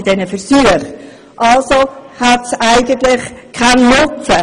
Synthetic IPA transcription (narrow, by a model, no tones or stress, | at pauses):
d̥ɛnəfəɾsyəχ | ʔɑlsohætsæɪɡənt̪lɪχkʰannʊt͡sə